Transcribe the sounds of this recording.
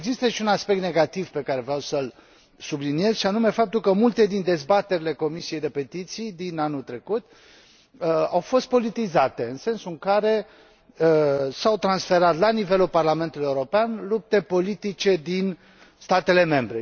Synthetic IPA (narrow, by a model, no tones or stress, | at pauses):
eɡzist̪əʃiunaspek̚t̪ne̞ɡat̪ivpe̞kaɾe̞vɾʲawsəl | sublinie̞zʃianume̞fap̚t̪ulkəmult̪e̞d̪ind̪e̞zbat̪e̞ɾile̞ko̞misije̞jd̪e̞pe̞t̪it̪sijd̪inanut̪ɾe̞kut̪ | əawfo̞st̪̚po̞lit̪izat̪e̞ɨnse̞nsuŋkaɾe̞ | əsawt̪ɾansfe̞ɾat̪lanive̞lulparlament̪ulujeuɾo̞peanlup̚t̪e̞po̞lit̪it͡ʃe̞d̪in | st̪at̪e̞le̞me̞mbɾe